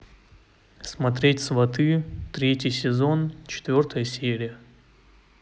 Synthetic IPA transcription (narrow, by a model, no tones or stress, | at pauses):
smɐt̪ɾʲetʲsvɐt̪ɨt̪ɾʲetʲjɪjsʲɪzont͡ɕɪ̥t̪vʲo̞rt̪əjəsʲeɾʲɪjə